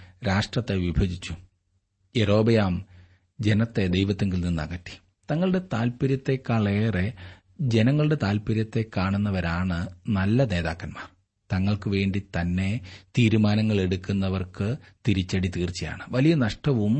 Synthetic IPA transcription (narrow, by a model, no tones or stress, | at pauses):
ɾaːʂʈrɐt̪ːe̞ʋibʱɐɡit͡ɕːu | eɾo̞ːbɐjaːm | d͡ʑe̞nɐt̪ːe̞d̪ejʋɐt̪ːeŋɡilninːɐɣɐt̪ːi̥ | t̪ɐŋːɐɭɨɽe̞t̪aːlpɐɾjɐt̪ːe̞kɐɭeːre̞ | d͡ʑe̞nɐŋːɐɭɨɽe̞t̪aːlpɐɾjɐt̪ːe̞kːaːɳunːɐʋɐɾaːɳɨnɐlːɐne̞ːðaːkːɐnma̰ːr | t̪ɐŋːɐɭkɨʋe̞ːɳɖit̪ɐnːe̞t̪iːɾumaːnɐŋːɐɭe̞ɽukːunːɐʋɐrkɨt̪iɾit͡ɕːɐɽit̪iːrt͡ɕːɐja̰ːɳɨʋɐlijɐnɐʂʈɐʋum